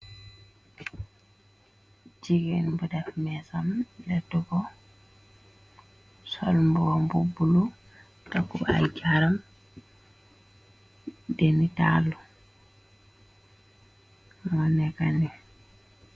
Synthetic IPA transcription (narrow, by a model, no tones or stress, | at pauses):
d͡ʒiɡɛnbudɛfmɛsamlɛtːuɡɔ | sɔlmbuwɔmbubulu | takːua̰jɟaɾam | dɛnita̰lu | mɔnɛkani